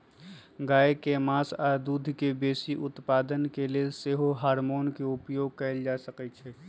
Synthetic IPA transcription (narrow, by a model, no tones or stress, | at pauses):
ɡaːekemaːsad̪uːd̪ʱkebeːsiʔʊt̪paːd̪ənkelieseɦoɦaːɾmoːnkeʊpjoːɡ̚kəɪld͡ʒaːsəkɛt͡ʃʰɛː